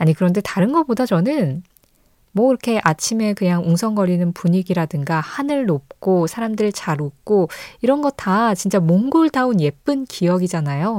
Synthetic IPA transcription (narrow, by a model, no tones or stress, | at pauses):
aɲikɯɾʌnde̞taɾɯnɡʌp͈odat͡ɕʌnɯn | mwʌiɾʌkʰe̞ʔat͡ɕʰime̞kɯɲaŋuŋsʰʌŋɡʌɾinɯnpuɲiɡiɾadɯŋɡahanɯɭnop̚k͈osʰaɾamdɯɾɯɭt͡ɕaɾok͈oiɾʌnɡʌtʰat͡ɕint͡ɕ͈amoŋɡuɭdaunje̞p͈ɯnkijʌɡid͡ʑanajo